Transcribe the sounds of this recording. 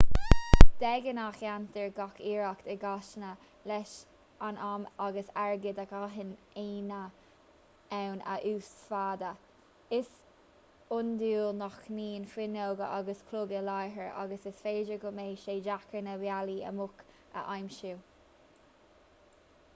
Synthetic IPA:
d̪̥ɛɡənaxjant̪əɹɡakiːɹakt̪əɡaʃnə | lɛʃ | anamaɡəsaɹɡɪd̪akaɦɪn | eːnə | ɛwnə̰ʔuːsfaːd̪ə | ɪs | ʊnd̪uːlnɔxniːnfwɪnoːɡə̰ʔaɡəskʰlʊɡəlajɦəɹʔa̰ɡəsɪsfeːd͡ʒəɡʊmeːʃeːd͡ʒakənəwjaliə̰mʊk | ə̰ʔajmʃu

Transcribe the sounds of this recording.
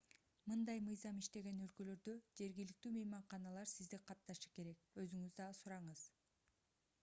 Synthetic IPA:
mɯnd̪ɑjmɯjzɑmiʃt̪e̞ɡe̞nø̞lkø̞lø̞ɾd̪ø̞d͡ʒe̞ɾɡʲilik̚t̪yːmejmɑɴqɑnɑlˠɑɾsizd̪iqʰɑt̪t̪ːɑʃɯ̥ke̞ɾe̞k̚ø̞zyŋyzd̪ɑsuɾɑɴɯz̥

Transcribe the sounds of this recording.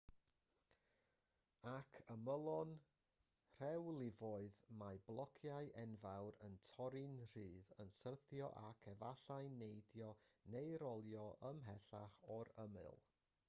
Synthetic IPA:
akʰəməlˠɔn | r̥ɛwlˠɪvɔɨðmaɨblˠɔkʰjaɨʔɛnvawɾəntʰɔɾɨnr̥ɨːðənsərθjɔʔakʰɛvaɬaɨnejdjɔnejɾɔlˠjɔʔəmɦɛɬaχɔɾəmɨ̰lˠ

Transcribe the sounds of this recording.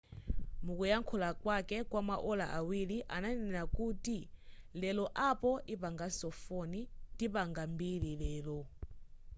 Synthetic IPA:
mukujaŋkʰulakwakɛkwamaʔɔlaʔawiliʔananɛɛnakuːtilɛlɔʔapɔʔipaŋɡasɔfonidipaŋɡambililɛːlɔ

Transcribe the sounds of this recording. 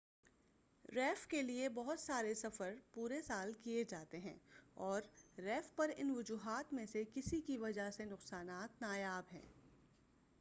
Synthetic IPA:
ɾɛːfkeliebɔɦʊt̪saːɾesɐfəɾpuːɾesaːlkied͡ʒaːt̪eɦɛ̃ːɔːɾːɛːfpɐɾɪnʋʊd͡ʒuːɦaːt̪mẽsekɪsikiʋɐd͡ʒasenʊqsaːnaːt̪naːjaːbɦɛ̰̃ː

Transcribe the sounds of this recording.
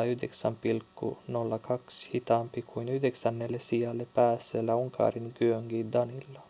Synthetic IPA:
yhdeksæmpilkːṵnolːɑkɑkshit̪ɑːmpikʰuinyhdeksænːelːesijɑlːepæːsːeːlːæuŋkʰɑ̰ːriŋɡyøŋɡiːd̪ɑnilːɑ

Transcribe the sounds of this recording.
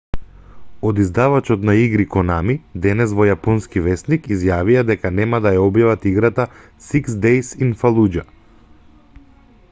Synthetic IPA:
od̪izd̪avat͡ʃɔt̪naiɡɾikɔnamid̪ɛnɛsvɔjapɔnskivɛsnikizjavijad̪ɛkanɛmad̪ajaɔbjavat̪iɡɾat̪a | siksd̪ɛjsinfalˠud͡ʒa

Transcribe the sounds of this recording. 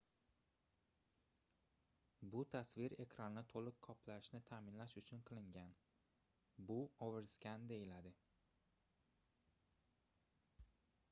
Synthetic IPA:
bʊt̪ʰasvɪɾe̞kʲʰɾanːɪt̪ʰolˠɪqʰkʰːɒpʰlaɪʃnɪt̪ʰaːmɪnlaʃʊt͡ʃʰʊnqʰɨlˠɪŋɡʲan | bʊovɪɾskʲand̪e̞jɪlad̪ɪ

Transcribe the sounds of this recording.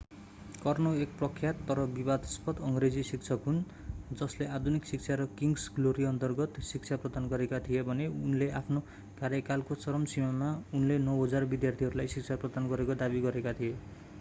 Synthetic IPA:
kʌrnoek̚prʌkʰːjat̪ːʌɾʌbibad̪ʌspʌt̪ʌŋɡɾed͡zisikt͡sʰʌkɦun | d͡zʌslead̪ʱuniksik̚t͡sʰaɾʌkiŋɡsɡloɾiʌnt̪ʌrɡʌt̪sik̚t͡sʰaprʌd̪anɡʌɾekat̪ʰijebʱʌneunleapʰno | kaɾjʌkalkosʌɾʌmsimamaunlenʌwɦʌd͡zarbid̪jart̪ʰiɦʌɾulajsik̚t͡sʰaprʌd̪anɡʌɾekod̪abiɡʌɾekat̪ʰije

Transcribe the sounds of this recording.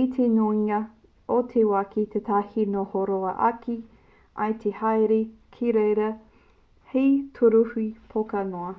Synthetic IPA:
it̪ʰenoiŋɐ | ot̪ʰewakit̪ʰet̪ʰahinohoɾoɐʔɐ̰kʰi | ʔɐ̰jt̪ʰehajɾekʰiɾejɾɐ | hetʰuɾuhipʰokɐnoɐ

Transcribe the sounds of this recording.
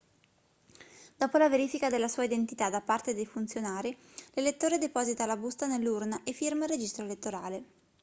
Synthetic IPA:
d̪̥ɔːpolaveɾiːfikad̪elːasuːaid̪ent̪it̪ad̪apːart̪ed̪ejfunt̪sjonaːɾi | lelet̪ːoːɾed̪epɔzit̪alabust̪anelːurnaʔefːirmarːed͡ʒist̪ɾoelet̪ːoɾaːle

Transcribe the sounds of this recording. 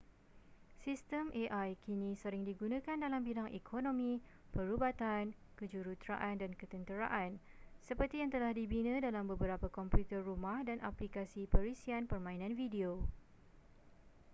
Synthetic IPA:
sist̪əmʔeʔajkinĩsəɾɪŋdiɡunãkandalambilaŋʔekʰonõmĩ | pəɾubat̪an | kəd͡ʒuɾut̪ɾa̰ʔandankət̪ənt̪əɾa̰ʔan | səpərt̪ijaŋt̪əlahdibinə̃dalambəbəɾapakɔmpjut̪ərrumahdanʔaplikasipəɾisianpərmãinãnvidio

